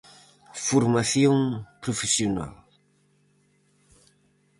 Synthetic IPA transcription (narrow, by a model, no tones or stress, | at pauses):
foɾmaθjõŋpɾofesiona̰l